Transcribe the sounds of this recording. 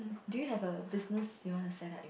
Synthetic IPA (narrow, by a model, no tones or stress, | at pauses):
dujuɦɛvəbɪsnəsjuwɔ̃nusɛdɛ̰t